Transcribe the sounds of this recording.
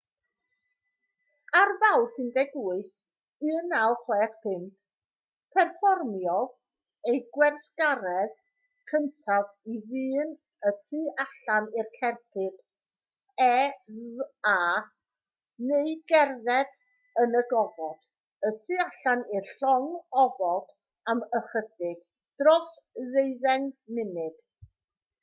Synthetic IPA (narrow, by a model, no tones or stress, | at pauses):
arvawsɨndɛɡʊɨθ | ɨnawχwɛːχpʰɪŋk | pʰɛrfɔrmjɔv | ejɡwɛrsɡ̥aɾɛð | kʰəntʰaviviːn | ətʰɨːʔaɬanɪrkʰɛrpʰɨd̥ | ɛ | aː | neɨɡɛrðɛd̥ | ənəɡɔvɔd̥ | ətʰiːaɬanɪrɬɔŋɔvɔd̥ | aməχədɪɡ̥ | d̥rɔsðeɨðɛŋnɪmɨd̥